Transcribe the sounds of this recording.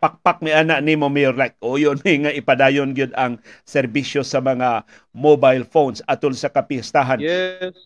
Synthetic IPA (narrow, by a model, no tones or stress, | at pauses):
pak̚pak̚mɪʔanaʔnimomɛjɾlak̚ʔojonmɪŋaʔɪpad̪aːjonɡjod̪ɐŋsɛɾbiʃjosɐmɐŋa | mobajlfonsat̪ʊlsakapɪst̪aɦan